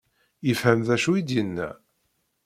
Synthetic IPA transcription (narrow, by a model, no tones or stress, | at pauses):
jəfhæmðæʃuid̪jənːæ̰